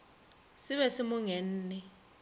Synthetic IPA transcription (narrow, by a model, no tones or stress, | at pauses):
siβɛsimuŋɛn̩ːnɛ